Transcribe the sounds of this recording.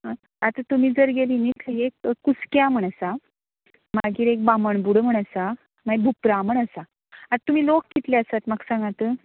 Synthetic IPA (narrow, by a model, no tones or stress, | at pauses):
ɦa | at̪at̪um̤iːd͡zəɾɡeliːnikʰəekːuskjam̤əɳ̃asa | maɡiːɾek̚baməɳbuɽəm̤əɳ̃əsa | maibʱupɾaməɳəsa | at̪um̤iːlokːit̪leasat̪maksãŋɡat̪ə